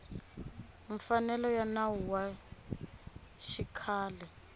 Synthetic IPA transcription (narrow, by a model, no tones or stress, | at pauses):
ɱfanɛlɔjanawuwa | ʃikʰaːlɛ